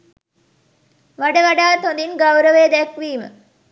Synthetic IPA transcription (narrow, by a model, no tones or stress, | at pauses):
ʋaɖəʋaɖaːt̪õnd̪inɡawɾəʋeːd̪ɛkʋiːmə̰